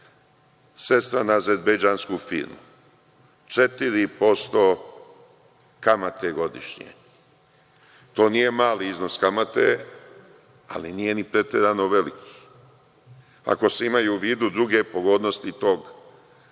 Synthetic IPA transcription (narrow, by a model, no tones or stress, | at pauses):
se̞st̪ɾanaezezbejd͡ʒaːnskufḭːɾmṵ | t͡ʃe̞t̪iɾipo̞st̪oː | kamat̪eɡo̞d̪ḭʃɲḛ | t̪o̞ːnije̞maːliizno̞skamat̪e | a̰lḭnije̞nipɾe̞t̪eɾanoʋe̞likʰi̥ | a̰ko̞seimajuːʋiːd̪ud̪ɾuɡe̞po̞ɡo̞ːd̪nost̪it̪o̞ːɡ